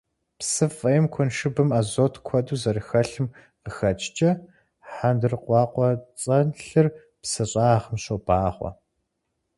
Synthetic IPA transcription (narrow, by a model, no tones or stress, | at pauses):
psɨfʼɐjɪmkʷʰʊnʂɨbɨmaːzoːtʰkʷʰɐduːzɐrɨxɐɬɨm | qəxɐt͡ʃʰʼt͡ʃʼɐ | ħandɨrqʷɑːqʷɔt͡sʼɐnɬɨr | psɨɕʼaːʁəmɕobaːχʷɔ̰